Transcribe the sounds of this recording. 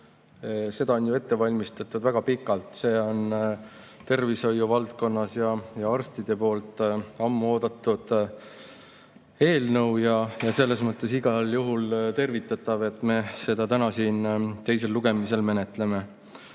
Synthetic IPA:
se̞d̪̥ɑonjue̞t̪ːe̞vɑlʲmist̪ɑt̪ːud̪væɡ̥ɑpikːˑɑlt̪se̞ːo̞n | t̪e̞rviso̞jːuvɑlt̪̚ko̞nːɑsjɑjɑɑrst̪id̪̥e̞po̞ːlt̪ːˑɑmːuo̞ːd̪̥ɑt̪ːˑud̪̥ | e̞ːlnɤwjɑjɑse̞lːe̞smɤt̪ːˑe̞siɡ̥ɑljuɦult̪e̞rvit̪ːˑɑt̪ːˑɑve̞t̪ːˑme̞se̞d̪ɑt̪ænɑsiːnt̪e̞jse̞lːuɡ̥e̞mise̞lme̞ne̞t̪le̞me̞

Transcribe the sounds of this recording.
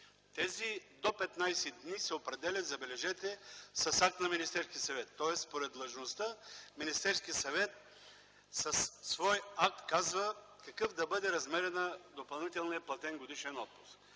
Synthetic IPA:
t̪ɛzid̪opɛt̪najsɛd̪nisɛopɾɛd̪ɛlʲɐt̪zɐbɛlɛʒɛt̪ɛsɐsak̚t̪nɐminist̪ɛɾskʲiəsɐvɛt̪ːɔɛsspoɾɛd̪lˠɐʒnost̪əminist̪ɛɾskʲiəsɐvɛt̪ | sɐsːvɔjak̚t̪kazvə | kɐkɤfd̪ɐbɤd̪ɛɾɐzmɛɾɛnəd̪opɐlˠnit̪ɛlˠniɐplˠɐt̪ɛnɡod̪iʃɛnɔt̪̚pu̥sk

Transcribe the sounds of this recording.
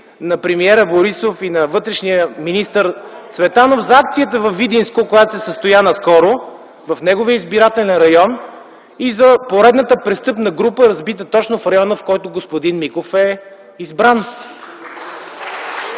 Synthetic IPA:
nɐpɾɛmiɛɾəboɾisofinɐvɤt̪ɾɛʃnijəminist̪əɾsvɛt̪anofzɐak̚t̪sijət̪əvɐfid̪inskokojat̪osɛsəst̪ojanɐskɔɾo | vɐfnɛɡovijəizbiɾat̪ɛlɛnɾɐjɔn | izɐpoɾɛd̪nət̪əpɾɛst̪ɤpnəɡɾupəɾɐzbit̪̬ət̪ɔt͡ʃnofɾɐjɔnəfkɔjt̪ʊɡospod̪inmikofɛ | izbɾan

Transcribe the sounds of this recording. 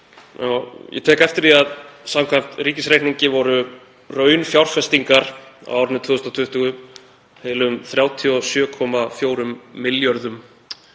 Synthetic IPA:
ja̰wjɛ̰t̪ʰɛːhkɛft̪ɪɾðiaðsamkʰvam̥t̪riːcɪsɾejt̪niɲcɪvɔɾʏ | rœːɥnfjawɾ̥fɛst̪iŋkaɾ̥a̰wawɾnɪt̪ʰvʏʏst̪at̪ʰʏht̪ʏɣʏ | heːjlʏmθɾjaːwt̪ʰiɔsjœːkʰɔmafjoːwɾʏmːɪljœɾðʏm

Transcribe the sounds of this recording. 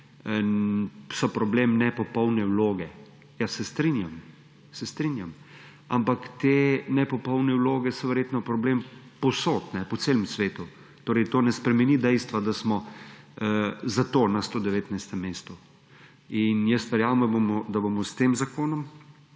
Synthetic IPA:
sɔpɾɔbleːmnɛpɔpɔwnɛwloːɡɛ | jasɛst̪ɾinjam | sɛst̪ɾinjam | a̰mpakt̪enɛpɔpɔwnɛwloːɡɛsɔʋɛɾjeːt̪nɔpɾɔblempɔsoːt̪nɛpɔseːlɛmsʋeːt̪u | t̪oːɾɛjt̪oːnɛspɾɛmɛnid̪ɛjst̪ʋad̪asmɔ | zat̪oːnast̪oːd̪ɛʋeːt̪najst̪ɛmːeːst̪ɔ | injəst̪ʋɛɾjamd̪abomɔd̪abomɔst̪eːmzakoːnɔm

